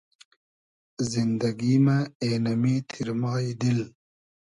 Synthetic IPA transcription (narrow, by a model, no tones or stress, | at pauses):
zind̪ɐɡimaeːnɐmit̪ʰiɾmɑːid̪il